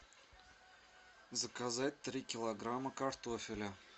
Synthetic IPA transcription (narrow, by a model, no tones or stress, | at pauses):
zəkazat̚ʲt̪ɾʲikʲɪlˠɐɡraməkart̪ofʲɪlʲə